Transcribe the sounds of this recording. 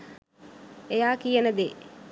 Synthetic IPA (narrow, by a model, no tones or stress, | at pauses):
ejaːkijenəd̪e